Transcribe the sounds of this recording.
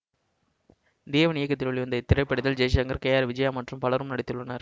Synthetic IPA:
d̪eːʋɐnɪjɐkːɐt̪ːɪɭɐɭɪʋɯnd̪ɐt̪ːɪrɐɪpːɐɽɪðɐld͡ʒeːs̬ɐɐŋɡɐɾkɐjaːɾʋɪd͡ʒɐjaːmɐʈrɯmpɐɭɐɾɯmnɐɽɪt̪ːɯɭːɐnaɾ

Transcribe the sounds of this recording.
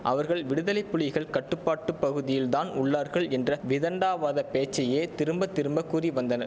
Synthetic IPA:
ʔɐ̰ʋɐɾɣɐɭʋɪɽɯðɐlɐɪpːʊɭɪɣɐɭkɐʈːɯpːaːʈːɯpːɐɣɯðɪjɪld̪aːnʊɭːaːɾɣɐɭɛndrɐʋɪðɐɳɖaːʋaːðɐpeːt͡ʃːɐjeːt̪ɪɾɯmbɐt̪ːɪɾɯmbɐkːuːriʋɐnd̪ɐnɐɾ

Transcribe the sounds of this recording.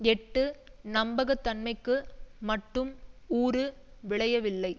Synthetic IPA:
ɛʈːɯ | nɐmbɐɣɐt̪ːɐnmɐɪkːɯmɐʈːɯmuːɾɯ | ʋɪɭɐjɐʋɪlːɐɪ

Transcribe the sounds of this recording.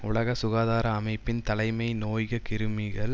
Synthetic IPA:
ʊ̰ɭɐɣɐsʊɣaːðaːɾɐːmɐɪpːɪnt̪ɐlɐɪmɐɪnoːjɣɐkɪɾɯmiɣɐɭ

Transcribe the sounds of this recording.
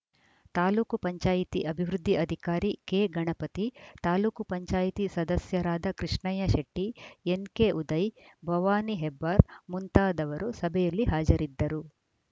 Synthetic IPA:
t̪aːluːkupɐɲt͡ʃaːjit̪iʔɐbʱiʋɾud̪ʱːiʔɐd̪ʱikaːɾikeːɡɐɳɐpɐt̪it̪aːluːkupɐɲt͡ʃaːjit̪isɐd̪ɐsjɐɾaːd̪ɐkɾiʂɳɐjɐʃɐʈːienkeʔud̪ɐjbʱɐʋaːniɦebːaːɾmunt̪aːd̪ɐʋɐɾusɐbʱɛjɐlːiɦaːd͡ʒɐɾid̪ːɐɾu

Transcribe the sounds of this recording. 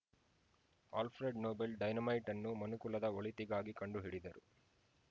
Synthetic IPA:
a̰ːlpʰɾeɖnoːbelɖɐjnɐmɐjʈɐnːumɐnukulɐd̪ɐoɭit̪iɡaːɡikɐɳɖuɦiɽid̪ɐɾu

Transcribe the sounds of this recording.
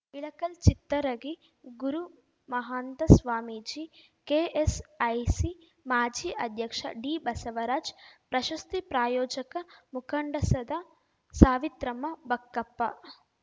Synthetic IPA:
ʋiɭɐkɐlt͡ʃit̪ːɐɾɐɡi | ɡuɾu | mɐɦaːnd̪ɐsʋaːmid͡ʒi | keːʔesɐjsi | maːd͡ʒiːʔɐd̪ʱjɐkʂɐ̰ɖiːbɐsɐʋɐɾaːd͡ʒpɾɐʃɐst̪ipɾaːjoːd͡ʒɐkɐmukʰɐɳɖɐsɐd̪ɐ | saːʋit̪ɾɐmɐbɐkːɐpːɐ

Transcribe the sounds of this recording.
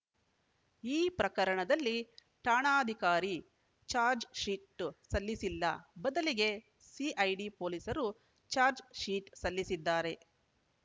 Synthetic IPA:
iːpɾɐkɐɾɐɳɐd̪ɐlːi | ʈaːɳaːd̪ʱikaːɾi | t͡ʃaːɾd͡ʒʃiːʈːsɐlːisilːɐbɐd̪ɐliɡe̞ | siʔɐjɖipo̞ːliːsɐɾu | t͡ʃaːɾd͡ʒʂiːʈsɐlːisid̪ːaːɾe̞

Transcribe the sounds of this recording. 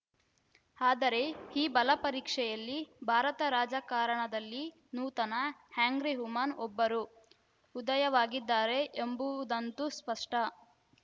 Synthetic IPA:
aːd̪ɐɾe̞hiːbɐlɐpɐɾiːkʂɛjɐlːibʱaːɾɐt̪ɐɾaːd͡ʒɐkaːɾɐɳɐd̪ɐlːi | nuːt̪ɐnɐhaːŋɡɾiɦumaːnɔbːɐɾu | ud̪ɐjɐʋaːɡid̪ːaːɾe̞ʔembuʋud̪ɐnt̪uspɐʂʈɐ

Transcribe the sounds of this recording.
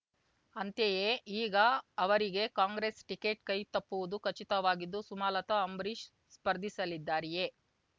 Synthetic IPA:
ɐnt̪jejeiːɡɐːʋɐɾiɡe̞kaːŋɡɾeːsʈike̞ːʈkɐjt̪ɐpːuʋud̪ukɐt͡ʃit̪ɐʋaːɡid̪ːusumaːlɐt̪ɐːmbɾiʃ | spɐɾd̪ʱisɐlid̪ːaːɾije̞

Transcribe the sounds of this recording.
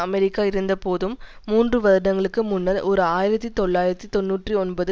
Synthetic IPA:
ɐmɛɾɪkːaːɪɾɯnd̪ɐpoːðɯmːuːndrɯʋɐðɐɾɽɐŋɡɐɭɯkːɯmʊnːɐlʔɔɾɯaːjɪɾɐt̪ːit̪ɔɭːaːjɪɾɐt̪ːit̪ɔnːuːʈriɔnbɐðɯ

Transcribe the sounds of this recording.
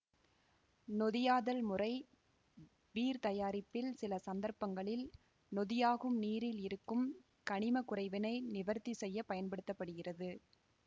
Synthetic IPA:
nɔðɪjaːðɐlmʊrɐɪ | ʋiːɾt̪ɐjaːɾɪpːɪlsɪlɐsɐnd̪ɐɾpɐŋɡɐɭɪl | nɔðɪjaːɣɯmniːɾɪlɪɾɯkːɯm | kɐɳɪmɐkʊrɐɪʋɪnɐɪnɪʋɐɾt̪ːisɛjːɐpɐjɐnpɐɽɯt̪ːɐpːɐɽɯɣɪrɐðɯ

